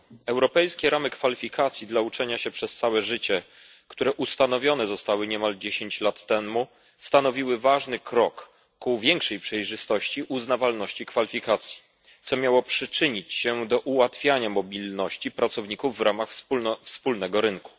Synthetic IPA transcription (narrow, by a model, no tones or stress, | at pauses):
ɛwɾɔpɛjskʲɛɾamɘkfalʲifʲikʰat̪sʲjid̪laut͡ʂɛɲaɕɛpʂɛst̪sawɛʐɘt͡ɕɛ | kt̪uɾɛʔust̪anɔvʲjɔnɛzɔst̪awɘɲɛmald͡ʑeɕeɲt͡ɕlat̪ːɛmu | st̪anɔvʲiwɘvaʐnɘkɾɔkː | uvʲjɛŋkʂɛjpʂɛjʐɘst̪ɔɕt͡ɕiʔuznavalnɔɕt͡ɕikfalʲifʲikat̪sʲji̥ | t̪sɔmʲjawɔpʂɘt͡ʂɘɲit͡ɕɕɛd̪ɔʔuwat̪fʲjaɲamɔbʲilnɔɕt͡ɕipɾat̪sɔvɲikuvːɾamaxsufspulnɛɡɔɾɘnku̥